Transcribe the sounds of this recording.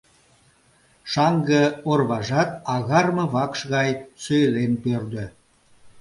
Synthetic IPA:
ʃɑŋɡəorβɑʒɑt̪ɑɣɑrmɤ̆βɑkʃɣɑjsøjlenpørd̪ø̆

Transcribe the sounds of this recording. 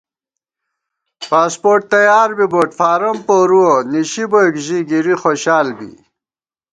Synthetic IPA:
paːspoːʈ̚t̪ɐjaːɾbiboːʈfaːɾɐmpoɾuoniɕibokʑiɡiɾixoɕaːlbḭ

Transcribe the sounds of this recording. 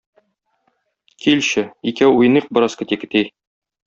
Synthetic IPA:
kʰilɕɘikæuj̆niq̚bɤ̆ɾɑskɘ̆t̪ikɘ̆t̪i

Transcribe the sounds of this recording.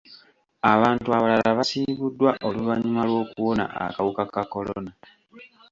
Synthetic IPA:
aβaːntuaβalalaβasiːβudːwaʔo̞luβaɲimalwo̞ːkuwo̞na̰ʔa̰kawukakako̞lona

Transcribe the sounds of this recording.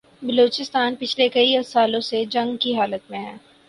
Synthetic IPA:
bɐloːt͡ʃɪst̪aːnpɪt͡ʃʰlekɐiɐsaːlõsed͡ʒɐ̃ŋɡkiɦaːlət̪mẽɦɛ̃ː

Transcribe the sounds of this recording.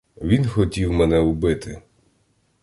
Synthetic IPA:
ʋʲinxɔtʲiwmɛnɛʊbɪt̪ɪ

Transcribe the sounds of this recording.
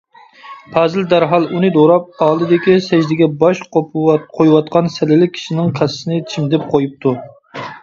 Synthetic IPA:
pʰɛzɪld̪æɾɦɑlˠunɨd̪oɾɑp̚ɑːlˠɨd̪ɪkʲisɛʒd̪ɪɡʲɛbɑʃqopqʰojwɑt̪̚qʰɑnsɛlɪlɪk̚ʲʰi̥ʃinɪŋkʰɛssɨnɪt͡ʃʰimd̪ɪp̚qʰojup̚t̪ʰu

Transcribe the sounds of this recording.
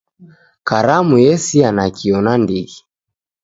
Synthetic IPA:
kaɾamujɛsianakiɔnandiɣi

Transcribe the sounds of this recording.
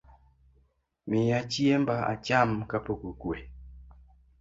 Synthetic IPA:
mɪjat͡ʃjembaa̰t͡ʃamkapokukwe

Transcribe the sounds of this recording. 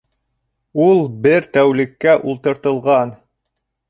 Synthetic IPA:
ulˠbɘɾt̪æwlɘ̆kːæʔulˠt̪ɤ̆ɾt̪ɤ̆lˠʁɑn

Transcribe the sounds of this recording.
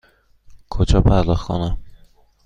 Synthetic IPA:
kʰod͡ʒɒːpʰæɾd̪ɒxkʰo̰næm

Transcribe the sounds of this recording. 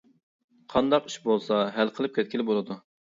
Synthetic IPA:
qʰɑnd̪ɑqi̥ʃbolˠsɑɦælqʰəlˠɨp̚kʲʰɛt̪̚ʲkʲʰilɪbolˠɨd̪u

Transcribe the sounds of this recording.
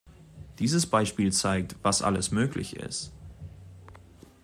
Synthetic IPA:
d̥iːzəsb̥aɪʃpiːlt͡saɪk̚tv̥asʔa̰ləsmøːklɪ̰çɪ̰st

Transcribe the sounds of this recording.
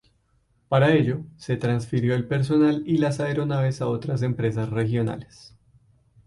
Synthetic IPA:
paɾae̞ʎo̞se̞t̪ɾansfiɾjo̞elpe̞ɾs̬o̞nalilasaeɾo̞naβe̞sao̞t̪ɾas̬e̞mpɾe̞sasre̞xjo̞na̰les

